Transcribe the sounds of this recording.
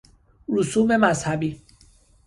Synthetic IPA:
ɾusuːmemazhabiː

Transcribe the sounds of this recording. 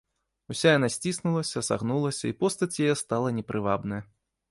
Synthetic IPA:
usʲajan̪asʲt͡sʲisnulˠɐsʲɐsa̰ɣnulˠɐsʲɐipɔst̪ɐt͡sʲjajɛst̪alˠɐnʲɛpɾɨvabnɐjɐ

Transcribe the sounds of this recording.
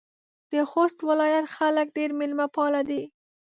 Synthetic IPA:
d̪̥əxost̪wɪlɑjat̪xalək̚ɖeɾmɪlmapɑlad̪i

